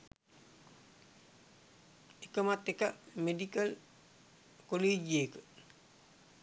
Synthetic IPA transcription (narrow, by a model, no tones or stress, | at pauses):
ikəmatːikɐmedikɐl | koleːɟekə